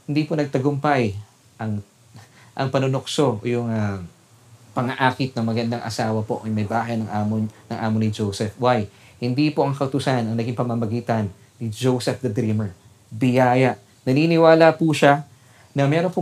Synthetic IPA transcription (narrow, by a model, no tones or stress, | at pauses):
hɪnd̪iːponɐɡ̚t̪ɐɡʊmpaj | ʔɐŋ | ʔɐŋpɐnonokso̞ʔjʊŋɐ | pɐŋɐʔaːkɪt̪̚nɐŋmɐɡɐnd̪aŋʔɐ̰saːwɐpo̞ʔɐjmɐjbaːɦɐjnɐŋʔaːmonɐŋʔaːmonɪd͡ʒowsɛfwaj | hɪnd̪ipoʔɐŋkɐʔʊt̪ʊsanɐŋnɐɡiŋpɐmɐmɐɡiːt̪ɐnː | ɪd͡ʒowsɛfd̪ɐd̪ɾiːmɛɹ | bɪjaːjɐʔ | nɐniːnɪwaːlɐpuʃa | nɐmɛːɾo̞ŋpo